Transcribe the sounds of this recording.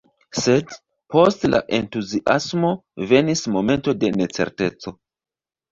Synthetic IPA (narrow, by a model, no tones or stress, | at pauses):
se̞d | po̞stla̰ʔe̞ntuziʔasmo̞ve̞nismo̞me̞nto̞de̞ne̞t͡se̞̰ɾte̞t͡so̞